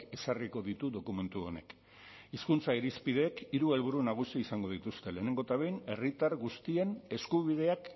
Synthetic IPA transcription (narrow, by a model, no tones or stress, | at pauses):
e̞sariko̞ðit̪uðo̞kume̞nt̪uo̞̰ne̞̰k | iskunt͡saiɾispið̞e̞ːkiɾue̞lβ̞uɾunaɣ̞usiisaŋɡo̞ð̞it̪ust̪e̞le̞ːne̞ŋɡo̞et̪aβe̞jne̞rit̪aɾɣust̪ie̞ne̞skuβiðe̞ak